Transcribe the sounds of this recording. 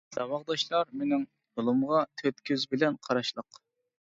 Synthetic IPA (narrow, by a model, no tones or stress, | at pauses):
sɑwɑʁd̪ɑʃlˠɑɾmenɪŋ | jolˠumʁɑt̪ʰøt̪kʲʰyzbɪlɛnqʰɑɾɑʃlˠəq